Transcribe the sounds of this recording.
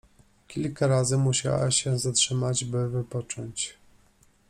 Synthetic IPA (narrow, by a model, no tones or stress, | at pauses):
kʲilkaɾazɘmuɕa̰wa̰ɕɛzatʂɘmad͡ʑbɘvɘpɔt͡ʂɔɲt͡ɕ